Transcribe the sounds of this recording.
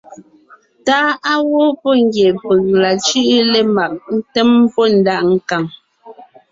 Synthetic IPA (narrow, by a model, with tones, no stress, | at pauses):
taː˦a˦wo˦pɔ˦ŋ˦ɡje˨pə˨ŋla˨t͡ʃi˦ʔle˦˨ma˨k̚n̩˦tɛ˦m˦pɔ˦n̩˨˦da˦ʔŋ̩˨ka˨ŋ